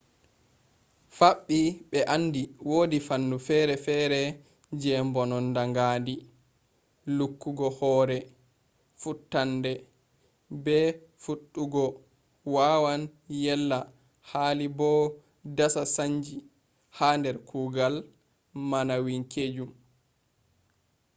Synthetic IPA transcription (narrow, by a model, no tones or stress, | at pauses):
faɓːiɓɛʔanːdiwoːdifanːufɛɾɛfɛɾɛ | d͡ʒɛmbɔnɔndaŋɡaːndi | lukːuɡɔhɔːɾɛ | futːandɛ | bɛ | fuɗːuɡɔ | wawanjɛlːa | haːlibɔ | dasasaɲd͡ʒi | haːndɛɾkʰuːɡal | manawiŋkʰed͡ʒum